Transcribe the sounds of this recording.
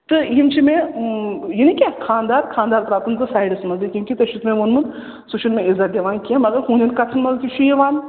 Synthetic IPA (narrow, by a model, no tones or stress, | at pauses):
t̪ɨjimt͡ʃʰimẽ | jinikʲakʰaːnd̪aːɾkʰãːnd̪aːɾpɾaːt̪ɐnt͡sɨsaːjɖɐsmɐnzikʲjũːkit̪ɐʃʰut̪mẽʋonmɨn | suʃʰunmẽizat̪̚d̪ʲeʋaːnkiãmɐɡɐɾɦũːnʲdʲɐnkɐt͡sʰɐnmɐzk̪ʲit͡ʃʰujeʋaːn